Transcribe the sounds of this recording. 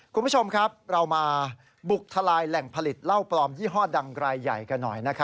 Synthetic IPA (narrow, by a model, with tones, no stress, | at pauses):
kʰu˧npʰu˥˩t͡ɕʰo˧mkʰɾa˦˥p̚ɾa˧wmaː˧ | bu˨˩k̚t̪ʰa˧laː˧jlɛ˨˩ŋpʰa˧li˨˩t̪̚la˥˩wplɔː˧mjiː˥˩ɦɔː˥˩da˧ŋɾaː˧jːa˨˩jka˧nːɔ̰˨˩jna˦˥kʰa˦˥